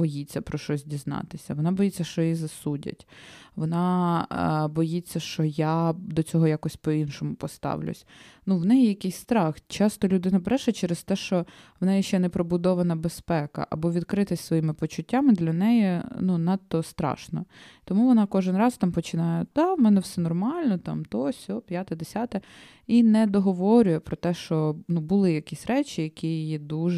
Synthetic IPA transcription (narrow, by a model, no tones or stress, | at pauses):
bɔjit͡sʲːɐpɾɔʃɔzʲdʲiznɑ̰t̪ɪsʲɐʋɔnɑbɔjit͡sʲːɐʃt͡ʃɔjizɐsudʲɐ̰tʲʋɔnɑ | bɔjit͡sʲːɐʃt͡ʃɔjad̪ɔt͡sʲɔɦɔjakɔsʲpɔinʃɔmʊpɔst̪ɑ̰ʋlʲʊ̰sʲnuʋnɛjjɐkɪjsʲst̪ɾɑxt͡ʃɑst̪ɔlʲʊd̪ɪnɐbɾɛʃɐt͡ʃɛɾest̪ɛʃt͡ʃɔʋnɛjɛʃt͡ʃɛnɛpɾɔbʊd̪ɔʋɐnɐbespɛkɐ̰ʔɐ̰bɔʋʲid̪kɾɪt̪ɪsʲsʋɔjimɪpɔt͡ʃʊtʲːamɪd̪lʲɐnɛjinunɑt̪ːɔst̪ɾɑ̰ʃnɔ̰t̪ɔmuʋɔnɑkɔʒɪnrɑst̪ɑmpɔt͡ʃɪnɑjɛd̪̥ɑmɛnɛwsɛnɔrmɑlʲnɔt̪ɑ̰mt̪ɔsʲɔpʲjat̪ɛd̪esʲat̪ɛ | inɛd̪ɔɦɔʋɔɾʲʊjɛpɾɔt̪ɛʃt͡ʃɔnubʊlˠɪjɐkʲisʲɾɛt͡ʃʲijɐkʲijid̪uʒ